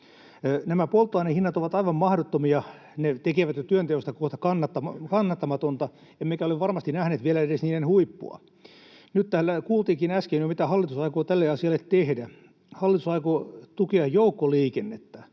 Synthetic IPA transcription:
næmæpolt̪ːoɑinehinːɑt̪oʋɑt̪ɑiʋɑmmɑhdot̪ːomiɑ | net̪ekeʋæt̪jot̪yønt̪ehost̪ɑkoht̪ɑkɑnːɑt̪ːɑmɑkɑnːɑt̪ːɑmɑt̪ont̪ɑ | emmekæoleʋʋɑrmɑst̪inæhneːt̪ʋielæedesniːnenhuipːṵɑ̰ | nyt̪t̪æːlːækuːlt̪iːkinæskenjomit̪æhɑlːit̪usɑikoːt̪ælːeɑsiɑlːˑet̪t̪ehdæ | hɑlːˑit̪usɑikot̪ukeɑjjoukːoliːkenːet̪ːæ

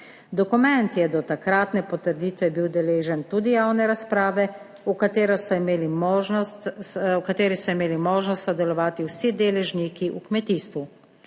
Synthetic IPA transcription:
d̪ɔkumɛnt̪jɛd̪ɔt̪akɾaːt̪nɛpɔt̪əɾd̪iːt̪ʋɛbiwd̪ɛleːʒɛnt̪uːd̪ijaːwnɛɾaspɾaːʋɛ | ukat̪eːɾɔsɔimeːlimɔʒɔst̪wkat̪eːɾisɔimeːlimoːʒnɔst̪sɔd̪ɛlɔʋaːt̪iwsid̪eːlɛʒnikiʔṵkmɛt̪iːst̪ʋu

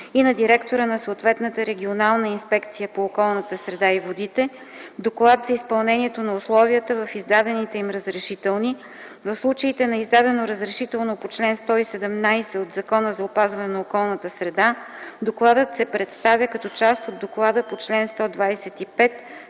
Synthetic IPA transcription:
inɐd̪iɾɛkt̪oɾənɐsoːt̪vɛt̪nət̪əɾɛɡʲionalˠnəinspɛkt̪sijəpoːkɔlˠnət̪əsɾɛd̪aivod̪it̪ɛ | d̪oklˠat̪zɐispɐlˠnɛniɛt̪onɐʊslˠɔviət̪əvɐfizd̪ad̪ɛnit̪ɛimɾəzɾɛʃit̪ɛlˠni | vɐfslˠut͡ʃəit̪ɛnɐizd̪ad̪ɛnoɾəzɾɛʃit̪ɛlˠnopot͡ʃlɛnst̪ɔisɛd̪ɛmnajsɛod̪zɐkɔnəzɐopazvɐnɛnɐokɔlˠnət̪əsɾɛd̪ad̪oklˠad̪ət̪sɛpɾɛt̪st̪avʲjəkɐt̪ɔt͡ʃast̪od̪ːoklˠad̪əpot͡ʃlɛnst̪ɔd̪vajsɛt̪ipɛt̪

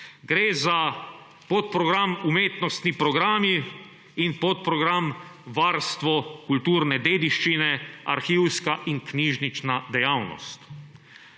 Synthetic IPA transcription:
ɡɾeːza | pɔt̪̚pɾɔɡɾamumeːt̪nɔst̪nipɾɔɡɾaːmi | inpɔt̪̚pɾɔɡɾamʋaːɾst̪ʋɔkult̪uːɾnɛd̪eːd̪iʃt͡ʃinɛa̰ɾxiːwskaʔiŋkniːʒnit͡ʃnad̪ɛjaːwnɔ̰st̪

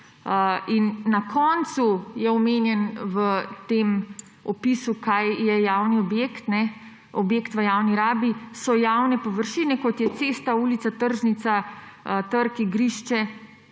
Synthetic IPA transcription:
inːakɔːnt̪sujɛɔmenjɛnʋət̪em | ɔpisukajjɛjaːwniɔbjeːkt̪nɛ | ɔbjekt̪ʋəjaːwniɾaːbisɔjawnɛpɔʋəɾʃiːnɛkɔt̪jɛt̪seːst̪auːlit̪sat̪əɾʒnit̪sat̪əɾkiɡɾiʃt͡ʃɛ

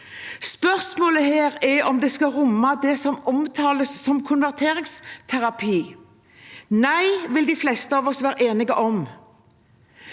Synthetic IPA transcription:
spœʁsmoːləheːʁɛɔmd̪ɛskɑʁʊmːɑd̪ɛsɔmɔmt̪ʰɑːləsːɔmkʰʊnʋæʁt̪ʰeːʁɪŋst̪ʰæʁɑpʰiː | næɪʋɪld̪ɪflɛst̪əɑʋɔsʋæːɾəʔeːnɪɡəʔɔm

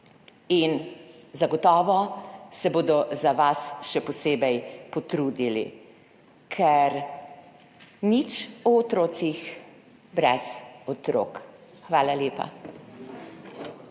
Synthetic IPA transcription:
inzaɡɔt̪ɔːʋɔsɛboːd̪ɔzaʋasʃɛpɔseːbɛjpɔt̪ɾud̪ilḭ | kʰɛɾ | nit͡ʃɔɔt̪ɾoːsix | bɾɛzɔt̪ɾo̰k | xʋaːlaljeːpa̰

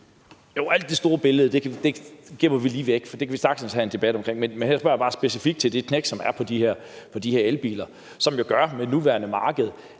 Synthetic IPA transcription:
joʊæl̰d̥ːe̝sd̥o̝ːɐb̥e̝ləð̩ˠəd̥e̝d̥e̝ɡ̥emɐʋiliːʋeɡ̥fɒd̥e̝kʰæʋisd̥ʁɑ̈ɡ̥snshæe̝nd̥e̝b̥æd̥ɒ̽mkʰʁeŋmenmenhæɐsb̥ɶɐj̥ɑ̈ːsb̥e̝sifiɡ̥d̥̚t͡sʰeld̥e̝kʰneɡ̥sɒ̽mæɐpʰɒ̽d̥iheɐ̰pʰɒ̽d̥iheɐelb̥ḭːlɐ | sɒ̽mjo̝ɡ̥ɶɐmenuʋæɐnəmɑ̈ːɡ̥əð̞̩ˠ

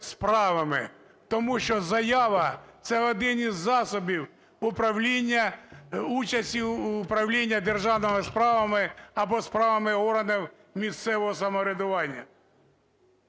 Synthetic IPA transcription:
spɾɑʋɐmɪ̰ | t̪ɔmuʃt͡ʃɔzɐjɑʋɐt̪sɛɔd̪ɪnizːɑsɔbʲiw | ʊpɾɐwlʲinʲːɐ | ut͡ʃɐsʲtʲiʊpɾɐwlʲinʲːɐd̪erʒɑwnɔmɪspɾɑʋɐmɪɐbɔspɾɑʋɐmɪɔɾɐnɪw | mʲist̪sɛʋɔɦɔsɐmɔɾʲed̪ʊʋɑnʲːɐ

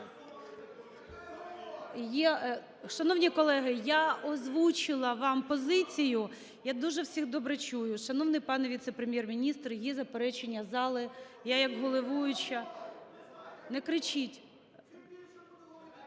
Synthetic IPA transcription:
jɛ | ʃɐnɔwnʲikɔlˠɛɦɪjaɔzʋut͡ʃɪlˠɐʋɑmpɔzɪt͡sʲijʊ | jad̪uʒɛwsʲiɣd̪ɔbɾɛt͡ʃujʊʃɐnɔwnɪjpɑnɛʋʲit̪sɛpɾemʲjɛrmʲinʲist̪rjɛzɐpeɾɛt͡ʃenʲːɐzɑlˠɪjajɐkɦɔlˠɪʋujʊt͡ʃɐ | nɛkɾɪt͡ʃitʲ

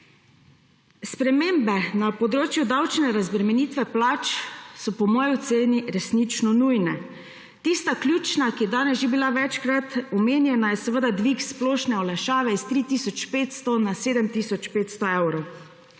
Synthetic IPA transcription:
spɾɛmeːmbɛnapɔd̪ɾoːt͡ʃjud̪awt͡ʃnɛɾazbɾɛmɛniːt̪ʋɛplaːt͡ʃsɔpɔmɔːjit̪seːniɾɛsnit͡ʃnɔnuːjnɛ | t̪ist̪aklʲjuːt͡ʃnakijɛd̪aːnɛsʒibilaʋɛt͡ʃkɾat̪ɔmeːnjɛnajɛsɛʋəd̪ad̪ʋiksplɔːʃnɛɔlaʃaːʋɛist̪ɾiːt̪iːsɔt͡ʃpeːt̪st̪ɔnaseːd̪ɛmt̪isɔt͡ʃpeːt̪st̪ɔewɾɔw

